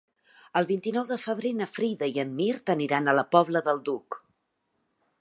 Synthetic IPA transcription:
əlˠβint̪inɔwðəfəβɾenəfɾiðəiəmːiɾt̪əniɾanələpɔβləðəlˠd̪uk

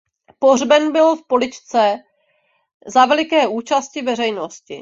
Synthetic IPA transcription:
porbɛnbɪlfpolɪt͡ʃt͡sɛ | zavɛlɪkɛːʔuːt͡ʃascɪvɛrɛjnoscɪ̰

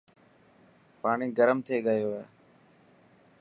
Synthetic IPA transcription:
paːɳiːɡəɾəmt̪ʰeːɠəjoː

